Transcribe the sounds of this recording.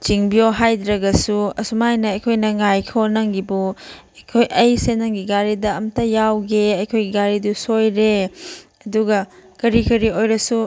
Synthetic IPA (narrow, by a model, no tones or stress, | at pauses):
t͡ʃiŋbioɦajdɾɐɡɐsuɐ̰sumajnɐɐjkʰojnɐŋajkʰonɐŋɡibu | ɐjkʰojʔɐjsenɐŋɡiɡaɾidɐːmtɐjawɡeɐjkʰojɡiɡaɾidusojɾe | ɐduɡɐkɐɾikɐɾiojɾɐsu